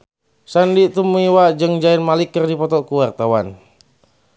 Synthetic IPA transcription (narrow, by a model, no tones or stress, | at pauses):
sandit̪umiwad͡ʒɨŋd͡ʒainmalikːərdipɔt̪ɔkuwart̪awan